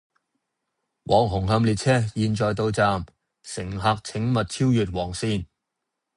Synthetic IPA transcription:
wʔɔː˨˩ŋɦʊ˨˩ŋɦɐ˧mliː˨˧t̚t͡sʰɛː˥jiː˨˧nt͡ʃɔː˨jt̪o˧wt͡saː˧m | sɪ˨˩ŋɦaː˧k̚t͡sʰɪ˨˥ŋmɐ˨t̚t͡sʰiː˥wjyː˨t̚wɔː˨˩ŋsiː˧n

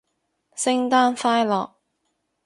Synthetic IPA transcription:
sɪ˥ŋt̪aː˥nfaː˥jlɔ̰ː˨k̚

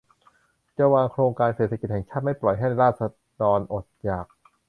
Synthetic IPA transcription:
t͡ɕa˧waː˧ŋkʰɾoː˧ŋkaː˧nseː˨˩t̪ʰa˧ki˨˩t̪̚hɛ˨˩ŋt͡ɕʰaː˥˩t̪̚ma˥˩jplɔ˨˩jɦa˥˩jna˧jɾaː˥˩t̪̚sa˧ | d̪ɔː˧nʔo˨˩t̪̚jaː˨˩k̚

